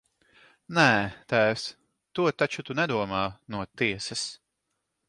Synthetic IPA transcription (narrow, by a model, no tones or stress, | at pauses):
nɛːt̪æːws | t̪uɔt̪at͡ʃut̪unɛd̪uɔmaːnuɔt̪iɛsɐs